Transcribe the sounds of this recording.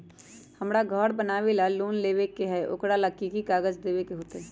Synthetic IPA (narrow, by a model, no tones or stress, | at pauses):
həmɾaɡʱɔːɽbənaːʋelaluːnleːʋekeɦɛʔʊ̰kɽaləkːikikaːɡəd͡ʒd̪eːʋekeɦoːt̪eɦɛː